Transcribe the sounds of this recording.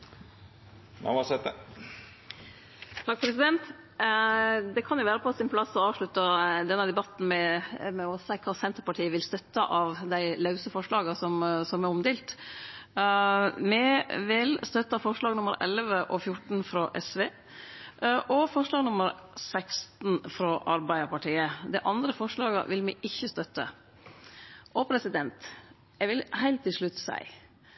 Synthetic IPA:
næ̰ʋɑsɛt̪ə | t̪ʰɑk̚ːpʰɾɛsɪd̪ɛnt̪ | d̪ɛkʰɑnjʊʋæːɾəpʰɔɑt̪sɪnpʰlɑsːɔɑːʋʂɭʉt̪ːəd̪ɛnːəd̪ɛbɑt̪n̩mɛmɛɔsæɪkʰɑːsɛnt̪əɾpɑʈʰiːəʋɪlst̪œt̪ːəʔɑʋd̪æɪlɑʉsəfɔʂɭɑːɡɑsɔmsɔmæɾɔmd̪ɪːlt̪ | mɛʋɪlst̪œt̪ːɑfɔʂɭɑːɡnʊməɾʔɛ̰lʋəʔɔfjʊʈn̩fɾɑʔɛsʋeː | ʔɔfɔʂɭɑːɡnʊməɾsækst̪n̩fɾɑːʔɑɾbæɪəɾpɑʈiːəd̪æɪʔɑnd̪ɾəfɔʂɭɑːɡə̰ʋɪlmɛʔɪçːəst̪œt̪ːə̰ | ʔɔpʰɾɛsɪd̪ɛnt̪ | jæʋɪlhæɪlt̪ʰːɪlʂɭʉt̪ːsæ̰ɪ

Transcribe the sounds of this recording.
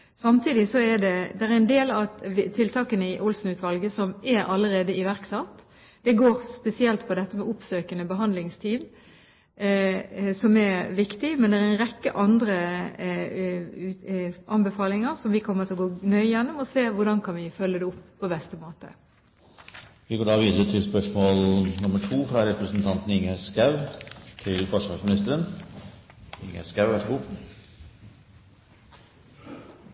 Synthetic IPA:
sɑmt̪ʰiːd̪ɪsɔɛɖɛd̪ɛæɾæɛnd̪eːlɑt̪ʰɪlt̪ʰɑːkənəɪʔʊlsn̩ʉːt̪ʋɑlɡəsɔmɛɾɑlːəɾeːd̪əɪʋæʁksɑt̪ː | d̪̥ɛɡoːʁspɛsɪɛlt̪pʰɔd̪ɛt̪ːəmɛʔʊpsøːkənəbəɦɑnd̪lɪŋst̪ʰiːn | sɔmɛɾʋɪkt̪ɪmɛnd̪ɛɛɾænʁɛkːə̰ʔɑnd̪ɾə | ʔɑnbəfɑːlɪŋəɾsɔmʋɪkʰɔmːət̪ʰɪlɔɡoːnœʏjɛnːʊmɔseːʋʊɖɑnkʰɑnʋɪfœlːəd̪ɛʊpːpːɔbɛst̪əmoːt̪ə̰ | ʋɪɡoːɖɑːʋiːd̪əɾət̪ʰɪlspœʂmoːlnʊməʈʰuːfɾɑɾɛpɾəsnt̪ʰɑnt̪n̩ɪŋhæskɑʉt̪ʰɪlbɔʂɑʂmɪnɪst̪əɾən | ɪŋæ̰skɑʉʋæʂəɡuː

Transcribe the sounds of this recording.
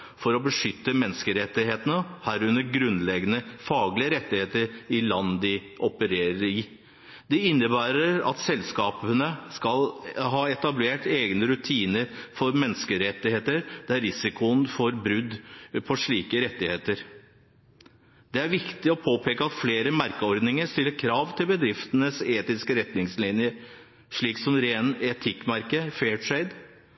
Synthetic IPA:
fɔɾɔbəʂʏt̪ːəmɛnːəskəɾɛt̪ːɪheːt̪ənəhæɾʉnəɾɡɾʉnlɛɡənəfɑːɡlɪəɾɛt̪ːɪheːt̪əɾɪlɑnːd̪ɪʔɔpəɾeːɾəɾɪ | d̪ɛɪnːəbæːɾəɾɑ̰t̪sɛlskɑːpənəskɑlɦɑːɛt̪ɑbleːʈeːɡnəɾʉt̪ʰiːnəɾfɔɾmɛnːəskəɾɛt̪ːɪheːt̪əɾd̪ɛæɾɪsɪkʊənfɔɾbɾʉd̪ːpʰɔʂɭiːkəɾɛt̪ːɪheːt̪əɾ | d̪ɛæɾʋɪkt̪ɪɔpʰoːpʰeːkəɑt̪fleːɾəmæɾkəɔɾd̪nɪŋəɾʂt̪ɪlːəɾkʰɾɑːʋt̪ʰɪlbəd̪ɾɪft̪ənəseːt̪ɪskəɾɛt̪nɪŋslɪnjə | ʂɭiːksɔmɾeːnɛt̪ʰɪkːmɑɾkəfeːʈʰɾeɪd̪

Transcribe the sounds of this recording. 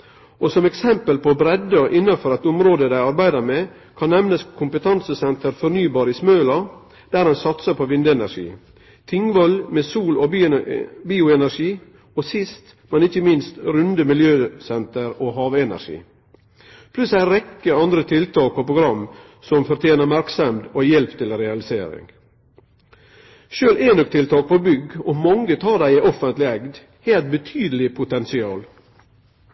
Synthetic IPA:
ɔsɔmɛksɛmpəlpɔbɾɛd̪əʔɪnːɑfɔɾɛt̪ʊmɾoːd̪əd̪æɪɑɾbæɪd̪əɾme | kʰɑnːɛmnəskʰʊmpət̪ʰɑnsəsɛnt̪əɾfɔɾnyːbɑːɾɪsmœːlɑ | d̪̥æːɾɛnsɑt̪səpʰoʋɪnd̪əɛnæʂḭː | t̪ʰɪŋʋɔlmeːsuːlɔ | biːʊɛnæɾʂiː | ɔsɪst̪ | mɛnɪçəmɪnst̪ɾʉnd̪əmɪljøːsɛnt̪əɾoːhɑːʋɛnæ̰ɾʂḭː | pʰlʉsæɪɾɛkːəɑnd̪ɾət̪ʰɪlt̪ʰɑːk̚pʰɔpɾʊɡɾɑm | sɔmfɔɾt̪ʰjeːnəmæɾksəmd̪ojɛlpt̪ʰɪlɾɛɑlɪseːɾɪ̰ŋ | ʃøːlenɔk̚t̪ʰɪlt̪ʰɑːk̚pʰɔbʏɡɔmɑŋːət̪ʰɑːdæɪæɪʔɔfənt̪lɪɛɡd̪ | heːlt̪̚bət̪ʰyːd̪əlɪpʰʊt̪ʰɛnsɪɑːl

